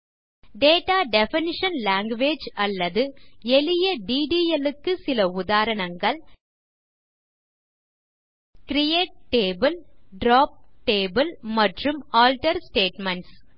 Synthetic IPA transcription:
ɖeːʈaːɖɛfɪnɪʂɐnlaːŋɡʋeːd͡ʒɐlːɐðɯɛlɪjɐɖiːɖiːɛlɯkːɯsɪlɐʊðaːɾɐɳɐŋɡɐɭ | kɾɪjeːʈ̚ʈeːbɐlɖɾaːp̚ʈeːbɐlmɐʈrɯmaːlʈɐɾsʈeːʈmɐɳʈs

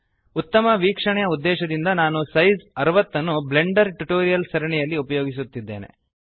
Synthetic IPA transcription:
ut̪ːɐmɐʋiːkʂɐɳɛjɐud̪ːɛːʃɐd̪ind̪ɐnaːnusɐjzɐɾɐʋɐt̪ːɐnːuble̞ɳɖɐɾʈuʈoːɾijɐlsɐɾɐɳɛjɐlːiupɐjoːɡis̬ut̪ːid̪ːe̞ːne̞̰

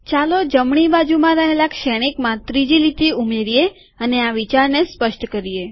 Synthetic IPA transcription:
t͡ʃalod͡ʒəmɳ̃ibad͡ʒumãɾəɦelakʃɛɽ̃ikmãt̪ɾid͡ʒilit̪iumeɾije | əneaʋit͡ʃaɾnespəʃʈkəɾije

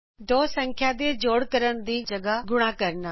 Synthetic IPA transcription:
d̪oːsə̃ŋkʰjad̪eːd͡ʒoːɽkəɾəɽ̃d̪iːd͡ʒɐɡaɡʊɽ̃akɐɾna

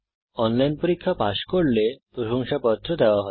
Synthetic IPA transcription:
ɔnlajnpoɾikʰːapaʃkoɾlepɾoʃoŋʃapɔt̪ːɾod̪eoaɦɔe

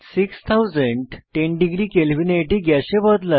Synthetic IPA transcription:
sikst̪ʰawd͡zəɳɖʈeɳɖiɡɾiːkelbineʈiɡjaɕebəd̪lə

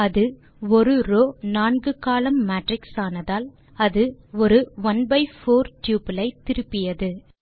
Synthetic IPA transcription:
ɐðɯ | ɔɾɯɾoːnaːnɡɯkaːlɐmːaːʈrɪksaːnɐðaːl | ɐðɯɔɾɯʋɐnbɐɪfoːɾʈjuːpɪlɐɪt̪ːɪɾɯpːɪjɐðɯ

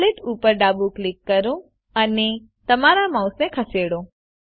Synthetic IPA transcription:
lɪt̪ʰupəɾɖabuklikːəɾũ | əne | t̪əmaɾamãusnekʰəseɽõ

